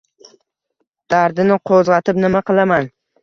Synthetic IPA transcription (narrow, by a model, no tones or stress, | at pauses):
d̪̥aɾd̪ɪnɪqʰozʁɑt̪ɪpnɪmaqʰɨlˠaman